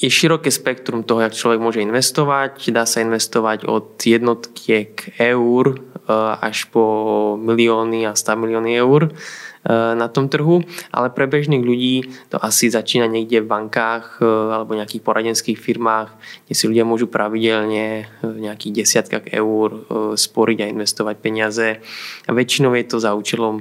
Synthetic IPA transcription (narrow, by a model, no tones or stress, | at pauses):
jɛʃiɾɔkɛːspɛkt̪ɾumt̪ɔɦɔjakt͡ʃlɔʋɛɡ̚mʊɔʒɛinʋɛst̪ɔʋacd̪aːsainʋɛst̪ɔʋaɟɔ̰d̪jɛd̪nɔt̪kʰɪɛkʰɛuɾ | a̰ʃpɔmiliɔːniast̪amiliɔːniɛuɾ | nat̪ɔmt̪r̩ɦuʔa̰lɛpɾɛbɛʒniːɣʎuɟiːt̪ɔ̰ʔasizat͡ʃiːnaɲɛɡɟɛvbaŋkaːxalɛbɔɲɛakiːxpɔɾaɟɛnskiːxfiɾmaːɣɡɟɛsiʎuɟɪamʊɔʒupɾʔaʋiɟɛlɲɛvɲɛakiːɣɟɛsɪat̪ka̰ɣɛ̰uːɾspɔɾiɟainʋɛst̪ɔʋac̚pɛɲɪazɛaʋɛt͡ʃinɔʊjɛt̪ɔzauːt͡ʃɛlɔm